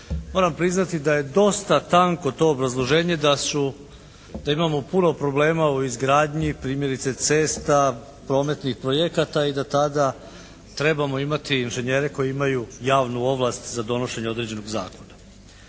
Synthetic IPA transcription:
mo̞ɾampɾiznat̪id̪aje̞d̪o̞st̪at̪aŋko̞t̪o̞ːbɾazlˠo̞ʒe̞ːɲe̞d̪asu | d̪aimamo̞puno̞pɾo̞ble̞ːmauizɡɾaːd̪ɲipɾiːmje̞ɾit̪se̞t̪se̞ːst̪a | pɾo̞ːme̞t̪nixpɾo̞jekat̪aid̪at̪ad̪a | t̪ɾe̞bamo̞imat̪iːnʒeɲe̞ɾe̞ko̞jiimajujaːʋnuo̞ʋlˠast̪zad̪o̞no̞ʃe̞ɲeo̞d̪ɾed͡ʑe̞no̞ɡza̰ːko̞na

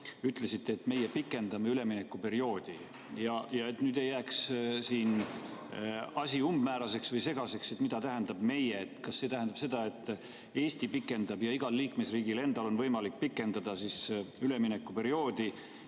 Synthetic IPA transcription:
yt̪ˑle̞sit̪ːe̞ːt̪me̞jepikːˑe̞nd̪̥ɑmeyle̞minekːˑupe̞ɾio̞ːd̪̥i | jɑjɑe̞t̪nyːd̪e̞jːæːkssiːn | ɑsʲiumb̥mæːɾɑse̞ksvɤjse̞ɡ̥ɑse̞kse̞t̪ːmid̪ɑt̪æɦend̪̥ɑb̥me̞jeːt̪ːˑkɑsːe̞ːt̪æhɦænd̪ɑ̥pse̞d̪ɑe̞t̪ːˑ | e̞ːst̪ipikːˑe̞nd̪̥ɑbjɑiɡ̥ɑlːiːkme̞sriːɡ̥ile̞nd̪̥ɑlo̞nvɤjmɑlik̚pikːˑe̞nd̪̥ɑd̪̥ɑsisyle̞minekːˑupe̞ɾio̞ːd̪̥i

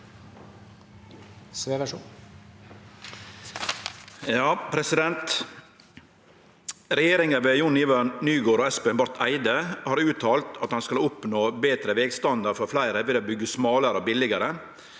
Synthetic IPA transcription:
sʋeːʋæʂṵː | jɑːpʰɾɛsɪd̪ɛnt̪ | ɾɛjeːɾɪŋəʋɛjʊnɪʋənyːɡoːɾɔːɛspeːnbɑɾt̪ʰæɪd̪əhɑːɾʉːt̪ʰɑːlt̪ʰɑt̪hɑnskɑlʊpnoːbeːt̪ɾəʋeːɡst̪ɑnd̪əɾfɔɾflæɪɾəʋɪlobʏɡːəsmɑːləɾəoːbɪlɪɡəɾə

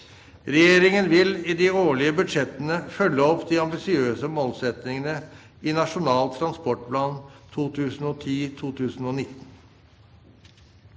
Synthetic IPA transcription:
ɾɛjeːɾɪŋənʋɪlɪd̪ɪoːɭɪəbʉd̪ʂɛt̪ənəfœlːəɔpd̪ɪɑmbɪsɪøːsəmoːlsɛt̪nɪŋənə | ɪnɑʂʊnɑːlt̪ʰːɾɑnspɔʈpʰlɑːnt̪ʰuːt̪ʰʉːsn̩ɔːt̪ʰiːt̪ʰuːt̪ʰʉːsn̩ɔːnɪt̪ːn̩

